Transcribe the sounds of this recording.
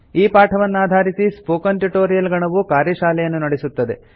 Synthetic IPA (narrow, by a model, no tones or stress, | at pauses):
iːpaːʈʰɐʋɐnːaːd̪ʱaːɾisispoːkɐnʈuʈoːɾijɐlɡɐɳɐʋukaːɾjɐʃaːlɛjɐnːunɐɽesut̪ːɐd̪e̞̰